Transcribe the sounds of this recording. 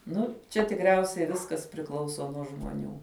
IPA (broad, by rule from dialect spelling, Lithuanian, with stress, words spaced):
ˈnʊ ˈt͡ʃʲɛ tʲɪkˈrʲɛʊsʲɛɪ ˈʋʲɪskɐs pʲrʲɪˈklˠɐʊsoː nuɔ ʒmoːˈnʲuː